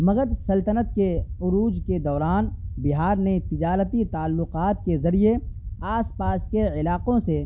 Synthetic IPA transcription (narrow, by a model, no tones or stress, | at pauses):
mɐɡəd̪sɐlt̪ənət̪̚keʊɾuːd͡ʒked̪ɔːɾaːnbɪɦaːɾnet̪ɪd͡ʒaːɾət̪it̪aːlːʊqaːt̪kezɐɾijeaːspaːskeɪlaːqõse